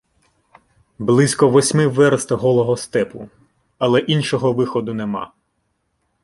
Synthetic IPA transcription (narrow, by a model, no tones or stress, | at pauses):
blˠɪsʲkɔʋɔsʲmɪʋɛɾst̪ɐɦɔlˠɔɦɔst̪ɛpʊ | ɐlˠɛʔinʲʃɔɦɔʋɪxɔd̪ʊnemɑ̰